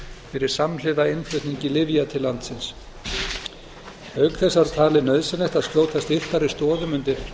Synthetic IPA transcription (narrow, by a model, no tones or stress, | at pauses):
fɪɾɪɾ̥samlɪðaɪnflœɥht̪niɲcɪlɪvjat̪ʰɪlːant̪sɪns | hœɥkθɛsːaaɾ̥t̪ʰaːlɪnœɥðsɛnɛht̪aðskloːwt̪θast̪ɪr̥t̪aɾɪst̪ɔːðʏmʏnt̪ɪɾ̥